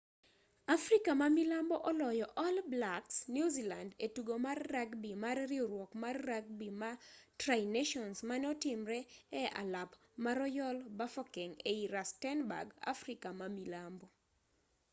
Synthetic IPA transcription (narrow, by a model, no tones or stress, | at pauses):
afrikamamilambɔʔɔlɔjɔʔɔlblaksnjuzilandetuɡomarːaɡbimarrɪoɾwɔkmarːaɡ̚bimatrajneʃɔnsmanɛɔtɪmɾɛɛa̰lap | maɾɔjɔlbafɔkɛŋeiɾastɛnba̰ɡa̰frikamamilambɔ